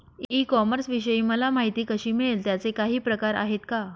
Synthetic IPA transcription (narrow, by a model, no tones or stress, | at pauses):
ikɔməɾsʋiɕəiːməlamaɦit̪iːkəɕiːmiɭelt̪jat͡sekaɦiːpɾəkaɾa̰ɦet̪ka